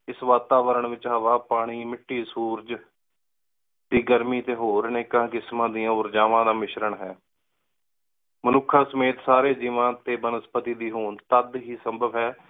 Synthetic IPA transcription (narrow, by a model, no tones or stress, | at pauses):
ɪsʋaːt̪aːʋəɾəɳʋɪt͡ʃɦaːʋaːpaːɽ̃iːmɪʈːiːsuːɾd͡ʒ | d̪iːɡəɾmiːt̪eːɦoːɾneːkãːkɪsmãːd̪ijãːʊɾd͡ʒaːʋãːd̪aːmɪʃɾəɳɦɛː | mənʊkʰːaːsəmeːt̪saːɾeːd͡ʒiːʋãːt̪eːbənəspət̪iːd̪iːɦoːɳt̪əd̪ɦiːsəmbəʋɦɛː